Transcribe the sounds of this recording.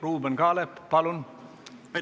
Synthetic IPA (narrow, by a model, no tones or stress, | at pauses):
ruːbenɡɑːleppɑlun